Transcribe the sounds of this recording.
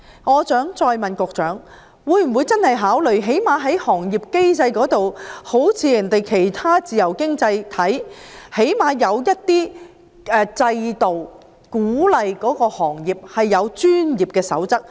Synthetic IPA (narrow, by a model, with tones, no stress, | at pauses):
ŋɔː˨˧t͡sœː˨˥ŋt͡sɔː˧jmɐ˨nkʊ˨˧k̚t͡ʃœː˨˥ŋ | wuː˨˧jm̩˨˩wu˨˧jt͡sɐ˥nhɐ˨˩jɦaː˨˥wlɵ˨˩ɥɦe˨˥jmaː˨˧ɦɐ˨˥jhɔː˨˩ŋjiː˨p̚ke˥jt͡sɐ˧jkɔː˨˥t̪o˨who˨˥wt͡sʰiː˨˧jɐ˨˩ŋt̪e˨jkʰe˨˩jt̪ʰaː˥t͡siː˨jɐ˨˩wkɪ˥ŋt͡sɐ˧jt̪ʰɐ˨˥jhe˨˥jmaː˨˧jɐ˨˧wjɐ˥t̚t̪iː˥ | ɛː˨˧t͡sɐ˧jt̪o˨w | kuː˨˥lɐ˨jkɔː˨˥kɔː˧hɔː˨˩ŋjiː˨p̚hɐ˨jːɐ˨˧wt͡ʃyː˥njiː˨˩p̚kɛː˧sɐ̰˨˥wt͡sɐ˥k̚